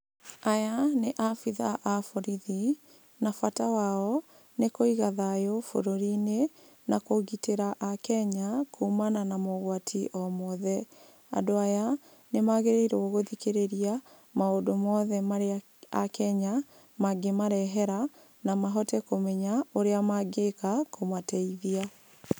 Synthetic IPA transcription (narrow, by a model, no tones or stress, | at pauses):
ajaneʔafiðaʔafoɾiði | nafatawaɔ | nekoiɣaðajofo̰ɾoɾine | nakoɣiteɾaʔakɛɲakuːmananamoɣwatʰiʔɔmɔðɛ | a̰doaja | nemaɣeɾeiɾɛɔɣoðikeɾeɾia | maodomɔðɛma | a̰kɛɲa | maɡemaɾɛɦɛɾa | namaɦɔtɛkomɛɲaoɾeamaɡekakomwatɛiðia